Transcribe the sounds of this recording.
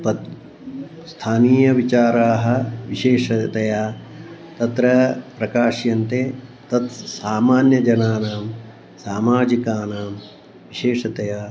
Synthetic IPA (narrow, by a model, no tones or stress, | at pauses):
pɐt̪ | st̪ʰaːniːjɐʋit͡ʃaːɾaːɦɐ̆ʋiʃeːʂɐt̪ɐjaː | t̪ɐt̪ɾɐpɾɐkaːʃjɐnt̪eːt̪ɐt̪saːmaːnjɐd͡ʒɐnaːnaːm | saːmaːd͡ʒikaːnaːm | ʋiʃeːʂɐt̪ɐjaː